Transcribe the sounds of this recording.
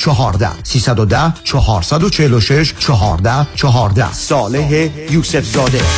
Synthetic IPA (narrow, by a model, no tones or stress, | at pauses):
t͡ʃʰɒɦɒːɾd̪æ̰hsiːsæd̪od̪æht͡ʃʰɒɦɒːɾsæd̪ot͡ʃʰeheloʃe̞ʃt͡ʃʰɒɦɒːɾd̪æht͡ʃʰɒɦɒːɾd̪æ̰sɒːleɦejuːsefzɒːd̪e